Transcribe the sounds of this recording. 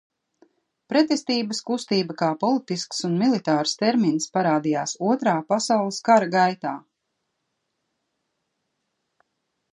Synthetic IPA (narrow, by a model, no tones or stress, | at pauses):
pɾɛt̪est̪iːbəskust̪iːbɐkaːpɔlˠit̪isksunmilˠit̪aːɾst̪ɛɾminspaɾaːd̪ijaːsuɔt̪ɾaːpasawlˠiskaɾaɡajt̪aː